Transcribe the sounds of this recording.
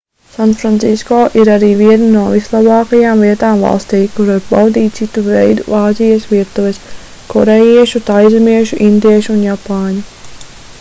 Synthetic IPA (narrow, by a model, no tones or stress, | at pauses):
sanfɾant̪siskoːʔiɾaɾiːviɛnanuɔvislˠabɑːkajaːmviɛt̪aːmvɑ̰lˠst̪iːkuɾaɾbawd̪iːt̪̚t̪sit̪uvɛjd̪ṵaːzijasʋiɛt̪uʋɛs | kɔɾejiɛʃut̪ajzmiɛʃuʔind̪iɛʃuunjapaːɲu